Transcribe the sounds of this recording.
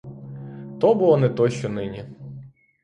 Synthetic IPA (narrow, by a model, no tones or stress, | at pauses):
t̪ɔbʊlˠɔnɛt̪ɔʃt͡ʃɔnɪnʲi